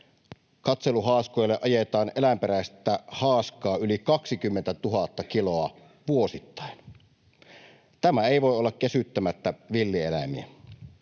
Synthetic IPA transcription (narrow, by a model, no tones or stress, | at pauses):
kɑt̪seluɦɑːskojlːeʔɑjet̪ɑːnelæmpeɾæˑest̪ːæhɑːskˑɑːylikɑksikymːent̪æt̪uɦɑt̪ːɑkiloɑ | ʋuosit̪ːɑˑen | t̪æmæeˑiʋoeolːɑkkesyt̪ːømæt̪ːæʋilːielæ̰miæ